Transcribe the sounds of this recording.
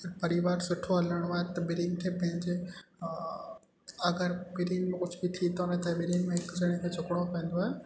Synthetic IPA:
pɐɾiʋaːɾsʊʈʰoɦɐləɽ̃oaːɦet̪ɐɓɪɾiːnt̪ʰepɐ̃ɦɪ̃ɲd͡ʑe | ɐɡəɾbɪɾiːnmẽkʊd͡ʑʱbit̪ʰit̪oʊnɐt̪aɓɪɾiːnmẽɦɪkzɐɽ̃ẽkʰed͡ʑʰʱʊkɽ̃opɛ̃ẽn̆d̪oaːɦe

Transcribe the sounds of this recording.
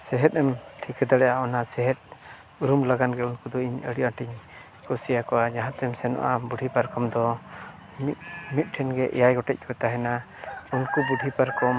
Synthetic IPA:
sɛɦɛt̪̚ˀɛmʈʰikɛd̪aɽɛʔaɔnasɛɦɛt̪̚ | uɾumlaɡanɡɛunkud̪ɔiɲəɽiʔaʈiɲ | kɔsijakɔʔad͡ʒaɦãt̪ɛmsɛnɔ̰ʔabuɖʱipaɾkɔmd̪ɔ | mit̪̚mit̪̚ˀʈʰɛnɡɛʔɛ̰jajɡɔʈɛc̚kʰɔt̪aɦɛna | unkubuɖʱipaɾkɔm

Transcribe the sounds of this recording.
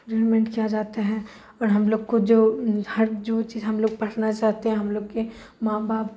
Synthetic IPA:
ɖeːɾmɛ̃ɳʈkijad͡ʒaːt̪aɦɛ̃ | ɔːɾɦɐmloːɡkod͡ʒoːhɐɾd͡ʒoːt͡ʃiːzɦɐmloːɡ̚pɐʈʰnat͡ʃaːɦt̪eɦɛ̃ɦɐmloːɡke | maːbaːp̚

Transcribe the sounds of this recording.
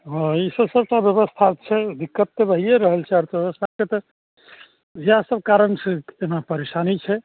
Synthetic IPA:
ɦɔ̃isəbsəb̚ʈabjəβəst̪ʰat͡ʃʰɛd̪ikːət̪ːebəɦijeɾəɦəlt͡ʃʰɛɔɾt̪bbəst̪ʰaket̪ɔ | jasəbkaɾənsẽenapəɾesanit͡ʃʰɛ

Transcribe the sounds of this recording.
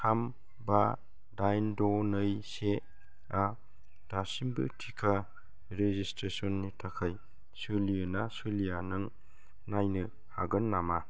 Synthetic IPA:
ham | ba | dajndɔnɯjse | a | d̥asimbɯ̰tʰikʰa | ɾezistɾesɔnːitʰakʰaj | sɯliɯnasɯlijanɯŋ | najnɯ | haɡɯnːama

